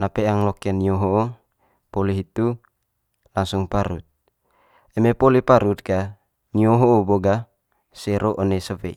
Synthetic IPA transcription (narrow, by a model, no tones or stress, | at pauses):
napeaŋlokenioɦoo | poliɦit̪u | laŋsuŋpaɾṵt̪̚ | emepolipaɾut̪̚ka | nioɦoːboɡa | seɾʔoʔonesopḛ